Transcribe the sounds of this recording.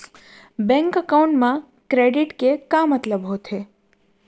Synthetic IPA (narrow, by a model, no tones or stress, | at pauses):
bɛ̃ŋkəkauɳʈmã | kɾeɖiʈkekamət̪ləbɦot̪ʰe